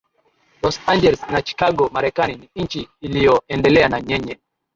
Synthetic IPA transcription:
lɔsaɲd͡ʒɛlɛsnat͡ʃi̥kaɡɔmaɾɛkaniniɲ̩n̩t͡ʃiːlijɔɛndɛlɛanaɲɛɲɛ

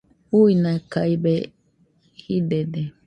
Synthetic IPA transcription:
uinãkaibe | hid̪ede

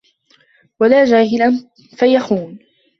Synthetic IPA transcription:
walaːd͡ʒaːɦɪlan | fajaxuːn

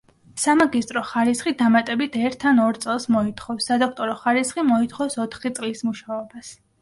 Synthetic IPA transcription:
samaɡist̪ʼɾɔχaɾisχid̪amat̪ʼɛbit̪ʰɛɾt̪ʰːanɔɾt̪sʼɛlˠsmɔit̪ʰχɔfsːad̪ɔkʰt̪ʼɔɾɔχaɾisχimɔit̪ʰχɔfsɔt̪ʰχit̪sʼlismuʃaɔbas

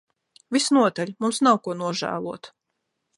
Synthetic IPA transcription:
vʲisnuɔt̪alʲmumsnawkuɔnuɔʒæ̰ːlˠuɔt̪

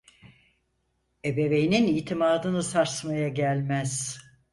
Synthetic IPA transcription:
e̞be̞ve̞jininijt̪ʰimaːd̪ɯnɯsaɾsmajaɟælʲmæz̥

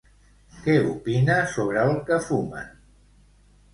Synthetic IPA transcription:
kɛupinasoβɾəlˠkəfuma̰n

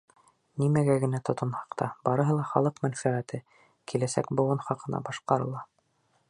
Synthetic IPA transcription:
nimæɡæɡɘ̆næt̪ŏt̪ɤ̆nhɑqt̪ɑb̥ɑɾɤ̆ɦɤlˠɑχɑlˠɤqmænfæʁæt̪ɘ | kilæsæ̰kbuʁɤnχɑqɤ̆nɑ̰bɑʃqɑɾɤ̆lˠɑ

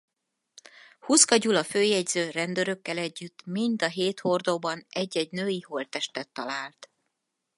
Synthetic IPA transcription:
huskɒɟulɒføːjɛɟzøːrɛnd̪øɾø̞kːɛlɛɟːyt̪ːmind̪ɒɦeːt̪ho̞rd̪oːbɒnɛɟːɛɟnøːjiho̞lt̪ɛʃt̪ɛt̪ːɒlaːlt̪

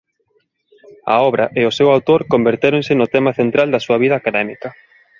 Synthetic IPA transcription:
ɐ̰ɔβɾʔɐʔeʊsewawt̪oɾkombeɾt̪eɾoŋsɪnʊt̪ɛmɐθent̪ɾald̪ɐsuɐβ̞iðɐkanɛmikɐ

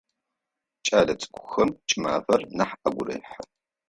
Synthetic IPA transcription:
t͡ʃʼaːlɐt͡sʼɨ̥kʷʰʊxɐmt͡ʃʼɪma̰ːfɐrnɐħʔɐɡʷʊɾɐ̰jħɐ

